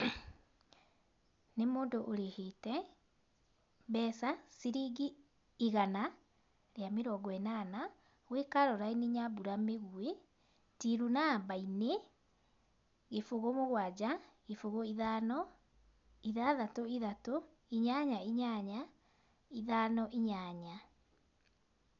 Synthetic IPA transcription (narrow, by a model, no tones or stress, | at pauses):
nemoːndoʔoɾehetɛ | bɛsasiɾiːɡiː | ɣana | ɾeameɾɔɡɔɛnana | wekaɾɔɾainiɲabuɾameɣue | tiɾunabaine | ɣefoɣomoɣwad͡ʑaɣefoɣoiðanɔ | iðaðatoiðato | iɲaɲaiɲaɲa | iðanɔʔiɲaɲa